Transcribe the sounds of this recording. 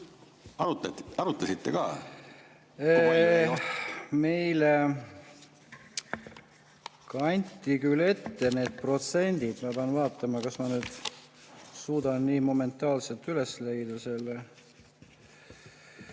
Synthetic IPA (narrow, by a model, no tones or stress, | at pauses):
ɑɾuɑɾut̪ˑːɑsit̪ːekɑː | e | me̞jle | kɑnʲt̪ʲːikyle̞t̪ːe̞ne̞ːd̪̥̚pro̞t̪se̞nʲd̪̥id̪̥mɑpeɑnvɑːt̪ːˑɑmɑkɑsmɑnyːd̪̥ | suːd̪̥ɑnːiːmo̞me̞nt̪ːˑɑːlselt̪yle̞sle̞jd̪̥ɑse̞lːe